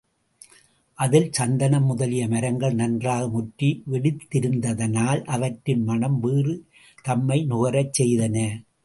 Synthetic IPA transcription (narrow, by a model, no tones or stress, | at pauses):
ʔɐðɪlsɐnd̪ɐnɐmːʊðɐlɪjɐmɐɾɐŋɡɐɭnɐndraːɣɐmʊʈɾiʋɪɽɪt̪ːɪɾɯnd̪ɐðɐnaːlʔɐʋɐʈɾɪnmɐɳɐmʋiːrɯ | t̪ɐmːɐɪnʊɣɐɾɐt͡ʃsɛjðɐnɐ